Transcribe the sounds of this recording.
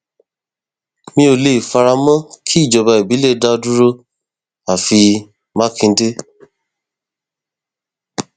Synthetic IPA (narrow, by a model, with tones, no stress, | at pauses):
mĩ˧o˨le˨i˨fa˧ɾa˧mã˦kʰi˦˨d͡ʒɔ˨ba˧˨e˨bi˨˦le˦da˧o˧du˦ɾo˦ | a˨fi˧ | mã˦kĩ˧˦de˦